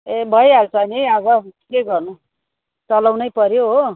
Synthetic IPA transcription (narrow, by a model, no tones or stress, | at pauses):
ebʱʌjalt͡sʰʌniʌβʌkkeɡʌrnu | t͡sʌlawnʌjpʌɾjoɦo